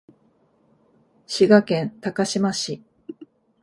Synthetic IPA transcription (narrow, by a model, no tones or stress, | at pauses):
ɕiɡakẽ̞nt̪akaɕimaɕi